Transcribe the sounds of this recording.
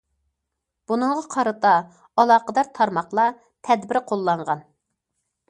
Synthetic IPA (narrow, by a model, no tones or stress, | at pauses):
b̥unɨŋʁɑqʰɑɾɨt̪ɑ | ɑlˠɑːqəd̪ɑɾt̪ʰɑɾmɑχlˠɑ | t̪ʰɛd̪bɪɾqʰolˠːɑɴʁɑn